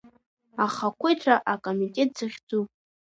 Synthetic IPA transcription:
aχakʷʰejtʰaʔakʼomitʼe̞t̚ʼz̥ɨχʲd͡zupʼ

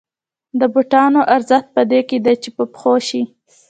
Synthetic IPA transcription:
d̪əbuʈɑnoʔaɾzəxt̪̚pəd̪eked̪ajt͡ʃepəpxoʃi

